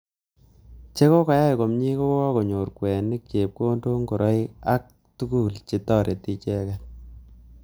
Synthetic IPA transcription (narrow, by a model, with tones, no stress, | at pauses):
t͡ʃe˦ko˦ka˨ja˦jko˨mɲi˦ko˦wwɔ˦ko˨ɲo˨ɾkwɛː˨nɪ˦k̚t͡ʃe˨p̚ko˦ndo˦ŋɡo˨ɾʔɔ˦i˦a˦k̚ | tu˦ku˦˨lt͡ʃi˨tɔ˦˨ɾʔe˨ti˦t͡ʃɛ˦kɛ˨